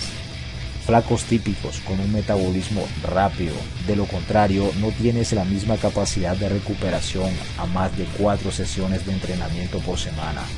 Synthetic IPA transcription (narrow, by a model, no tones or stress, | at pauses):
flako̞st̪ipiko̞sko̞nuŋme̞t̪aβo̞lizmo̞rapiðo̞̰ | ðe̞lo̞ko̞nt̪ɾaɾjo̞no̞t̪je̞ne̞slamizmakapasiðad̪d̪e̞re̞kupe̞ɾasjo̞ŋ | amazd̪e̞kwat̪ɾo̞se̞sjo̞ne̞zðeeːnt̪ɾe̞namje̞nt̪o̞po̞ɾse̞mãna̰